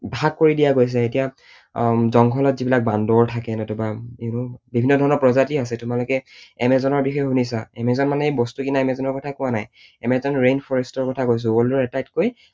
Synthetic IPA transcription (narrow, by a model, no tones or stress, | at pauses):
bʱaɡ̚kːoɹidijaɡojs̬ɛetija | zɔŋkʰɔlɔtzibilak̚bandɔɹtʰakɛnɔtʊbaenʊbibʱinːɔdʱɔɹɔnɔɹpɹɔzatias̬ɛtʊmalʊkɛɛmɛzɔnɔɹbixɔjɔxunis̬aɛmɛzɔnmanɛejbɔstukinaɛmɛzɔnɔɹkɔtʰakʊwanaj | ɛmɛzɔnɹenpʰɔɹɛstɔɹkɔtʰakojs̬ʊ̃ɔldɔɹɛtajtkoj